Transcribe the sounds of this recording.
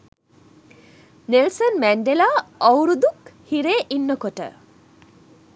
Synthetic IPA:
nelsɐnmæɳɖelaːɐwɾud̪ukhiɾeːʔinːɐkoʈə̰

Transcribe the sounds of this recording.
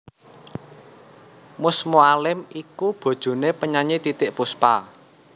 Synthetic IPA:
mʊsmoalɪmikub̥o̤d̥ʒ̥o̤nepəɲaɲit̪it̪ɪʔpuspa

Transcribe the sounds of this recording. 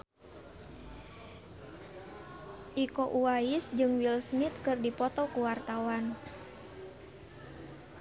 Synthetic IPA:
ʔikɔʔuaisd͡ʒɨŋwilsmit̪̚kɨrdipɔt̪ɔkuwart̪awan

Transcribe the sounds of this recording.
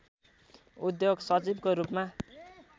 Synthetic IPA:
ud̪joɡsʌt͡sibkoɾupma

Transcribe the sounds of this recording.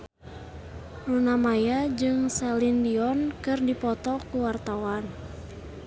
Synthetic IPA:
runamajad͡ʒɨŋsɛlindiɔnkɨrdipɔt̪ɔkuwart̪awan

